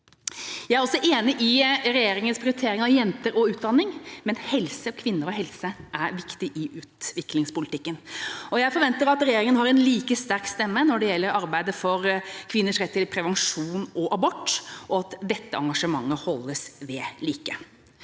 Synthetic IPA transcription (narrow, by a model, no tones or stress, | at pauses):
jæɪæɾɔsːɔʔeːnɪʔɪɾɛjeːɾɪŋənspʰɾɪʊɾɪt̪ʰeːɾɪŋɑʋjɛnt̪əɾɔʉːt̪̚d̪ɑnːɪŋmɛnhɛlsəkʰʋɪnːəɾɔɦɛlsəʔæɾʋɪkt̪ɪʔɪʔʉːt̪ʋɪklɪŋspʊlɪt̪ɪkːənɔjæɪfɔɾʋɛnt̪əɾɑt̪ɾɛjeːɾɪŋənhɑɾɛnliːkəst̪æɾkst̪ɛmːənɔɖɛjɛlːəɾɑɾbæɪd̪əfɔɾkʰʋɪnːəʂɾɛt̪ːɪlpʰɾɛʋɛnʂuːnɔʔɑbɔʈːʔɔɑt̪d̪ɛt̪ːəɑŋɡɑʂəmɑŋːəhɔlːəsʋɛliːkə